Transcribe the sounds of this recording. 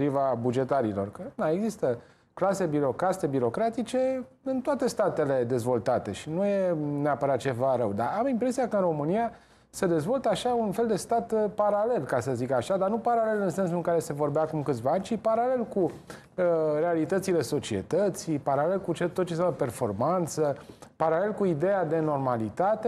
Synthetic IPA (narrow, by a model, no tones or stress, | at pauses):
ɾivabud͡ʒe̞t̪aɾilo̞̰rkəd̪aeɡzist̪ə | klase̞biɾo̞kɾase̞biɾo̞kɾat̪it͡ʃe̞ | ɨnt̪oat̪e̞st̪at̪ele̞d̪e̞zvo̞lt̪at̪e̞ʃinujeneapəɾat̪̚t͡ʃe̞vaɾəwd̪aamimpɾe̞siakəɨnro̞mɨnija | sed̪e̞zvo̞lt̪əaʃaunfe̞ld̪e̞st̪at̪paɾale̞lkasəzikaʃad̪anupaɾale̞lɨnse̞nsuɨŋkaɾe̞se̞vo̞rbeakumkɨt̪svaanʲt͡ʃipaɾale̞lku | əɾe̞alit̪ət̪sile̞so̞t͡ʃie̞̰t̪ət̪sipaɾale̞lkut͡ʃet̪ːot̪̚t͡ʃes̬amlpe̞rfo̞rmant̪səpaɾale̞lkuid̪e̞jad̪e̞no̞rmalit̪at̪e